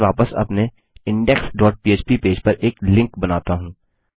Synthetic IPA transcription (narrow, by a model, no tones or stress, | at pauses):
ʋaːpəsɐ̰pne | ɪ̃ɳɖɛksɖɔːʈ̚piːeːt͡ʃpipeːd͡ʒpɐɾʔeːklɪ̃ŋkbɐnaːt̪aɦũː